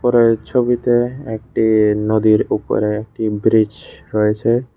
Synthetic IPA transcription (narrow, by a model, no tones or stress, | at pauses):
pɔɾet͡ɕʰobit̪eek̚ʈinod̪iɾupo̰ɾeek̚ʈibɾid͡ʑɾɔet͡ɕʰe